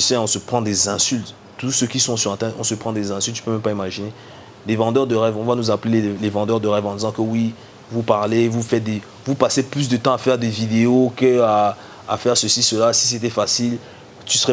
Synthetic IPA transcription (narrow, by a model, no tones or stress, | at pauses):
isɛ̃ɔ̃səpχɑ̃d̪ezɛ̃sylt̪ | t̪usəkʲisɔ̃syʁɛ̃t̪ɛ̃ɔ̃səpχɑ̃d̪ezɛ̃sylt̪t̪y̥pømɛmpaimaʒine | d̪evɑ̃d̪œʁd̪əʁɛvɔ̃vanuzaplelevɑ̃d̪œʁd̪əʁɛvɑ̃d̪izɑ̃kəwi | vupaʁlevufɛt̪̚d̪e | vupaseplys̬d̪ət̪ɑ̃afɛʁd̪evid̪eokəa | a̰fɛʁsəsisəlasis̬et̪ɛfasil | t̪ysəʁɛ